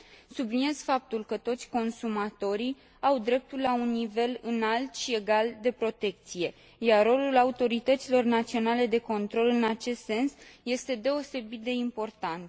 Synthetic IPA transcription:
sublinie̞z̥fap̚t̪ulkət̪o̞t̪sʲko̞nsumat̪o̞ɾi | awd̪ɾe̞p̚t̪ulːaunːive̞lɨnalt̪ʃie̞ɡald̪e̞pɾo̞t̪e̞k̚t̪sije̞ | jarːo̞lulaut̪o̞ɾit̪ət̪silo̞rnat̪sio̞nale̞d̪e̞ko̞nt̪ɾo̞lɨnat͡ʃe̞st̪se̞nsje̞st̪e̞d̪e̞o̞se̞bit̪̚d̪e̞impo̞rt̪ant̪

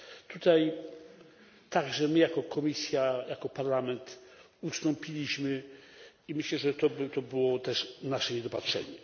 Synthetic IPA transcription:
t̪ut̪aj | t̪aɡʐɛmɘjakɔkʰɔmʲisʲjajakɔpaɾlamɛnt̪ | ust̪ɔ̃mpʲilʲiɕmɘ | imɘɕlɛʐɛt̪ɔbt̪ɔbɘwɔt̪ɛʂnaʂɛɲɛd̪ɔpatʂɛ̰ɲɛ

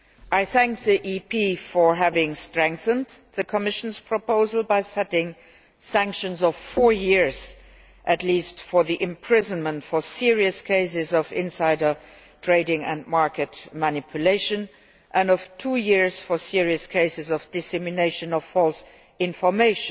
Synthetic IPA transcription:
ʔaɪθæ̃ŋk̚ðiʔipʰifə˞ɦævɪ̃ŋstɹɛ̃ŋk̚θə̃ndðɨkʰəmɪʃnz̥pʰɹ̥ɔpoʊzəl̩ˠbaɪsɛtɪ̃ŋ | sæ̃ŋkʃə̃nzʌv̥fɔɹjɪɹz̥ | ʔɨtlistfɔ˞ðiʔɪ̃mpʰɹ̥ɪzə̃nmə̃ntfə˞sɪɹiɨskʰeɪs̬ɪzʌvɪ̰̃nsaɪɾə˞ | tʰɹ̥eɪɪ̃ŋɨ̰̃nmɑɹkɨtmanɪpʰjʊleɪʃɨ̃n | ʔə̃nʌv̥tʰuːjɪɹz̥fɔ˞sɪɹiɨskʰeɪsɨzʌvd̥ɨsɛmɨneɪʃɨ̃nʌv̥fɔlˠs | ɪ̃ɱfə˞meɪʃn

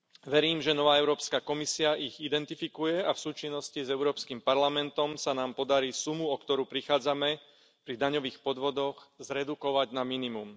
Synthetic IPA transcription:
ʋɛɾiːmʒɛnɔʋaːɛʊɾɔːpskaːkɔmisiaʔiɣid̪ɛnt̪ifikujɛafsuːt͡ʃinːɔscizɛʊɾɔːpskimpaɾlamɛnt̪ɔmsanaːmpɔd̪aɾiːsumuɔkt̪ɔɾuːpɾixaːd͡zamɛ | pɾid̪aɲɔʋiːxpɔd̪ʋɔd̪ɔɣzɾɛd̪ukɔʋaɟnaminimum

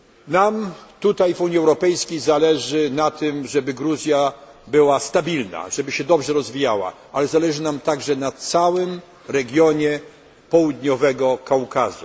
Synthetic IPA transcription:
namt̪ut̪ajvuɲiɛwɾɔpɛjskʲejzalɛʐɘnat̪ʰɘmʐɛbɘɡɾuzʲja | bɘwast̪abʲilna̰ʐ̥ɛbɘɕɛd̪ɔbʐɛɾɔzvʲijawa̰ʔalɛzalɛʐɘnamt̪aɡʐɛnat̪sawɘm | ɾɛɡʲjɔɲɛ | pɔwud̪ɲɔvɛɡɔkawkazu

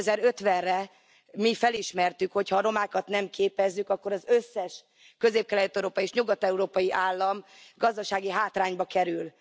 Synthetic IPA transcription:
zɛɾø̞t̪ʋɛnrɛ | mifɛliʃmɛrt̪ykho̞cʰhɒːɾo̞maːkɒt̪nɛmkeːpɛzːykɒkːo̞ɾɒzø̞sːɛʃ | kø̞zeːp̚kɛlɛt̪ːɛɾoːpɒieːʃɲuɡɒt̪ɛuɾoːpɒjiʔaːlːɒmɡɒzd̪ɒʃaːɡiɦaːt̪raːɲbɒkɛɾyl

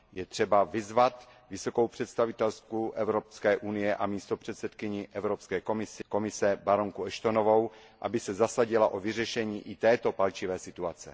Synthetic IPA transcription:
jɛt̪r̥ɛbavɪzvat̪ | vɪso̞kowpr̥ɛt̪st̪avɪt̪ɛlskuʔɛvɾopskɛːʔunɪjɛʔamiːst̪o̞pr̝̥ɛt̪sɛt̪kɪɲɪʔɛvɾopskɛːko̞mɪsɪko̞mɪsɛbaɾo̞ŋkuɛʃt̪o̞novo̞wʔa̰bɪsɛzasaɟɪlaʔovɪrɛʃɛɲiːʔɪt̪ɛːt̪o̞palt͡ʃɪvɛːsɪt̪uat͡sɛ̰

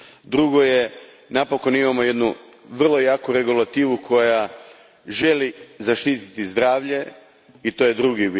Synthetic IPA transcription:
d̪ɾuɡo̞je | napo̞ko̞nimamo̞je̞d̪nu | ʋr̩lˠo̞jaːkuɾe̞ɡulat̪iːʋukʰo̞ja | ʒe̞lizaʃt̪iːt̪i̥t̪izd̪ɾaːʋʎe̞ | it̪o̞je̞d̪ɾuɡibi

